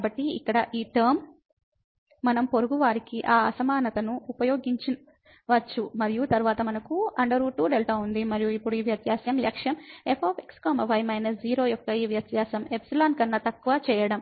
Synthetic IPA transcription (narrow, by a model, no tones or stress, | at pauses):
kabɐʈːiḭkːɐɽɐʔiːʈɐːɾm | ɐnɐmpo̞ɾuɡuʋaːɾikiʔaːɐsɐmaːnɐt̪ɐnuːpɐjoːɡiɲt͡ʃin | ʋɐt͡ʃːumɐɾijut̪ɐɾuʋaːt̪ɐmɐnɐkuɐɳɖɐɾuʈuːɖelʈaːund̪imɐɾijuipːuɽuiːʋjɐt̪jaːsjɐmlɐkʂjɐmepoːpekskoːmɐʋɐjmɐjnɐsd͡ʒiːɾoːjɔkːɐiːʋjɐt̪jaːsɐmepsilaːnkɐnːɐt̪ɐkːuʋɐt͡ʃɛːjɐɽɐm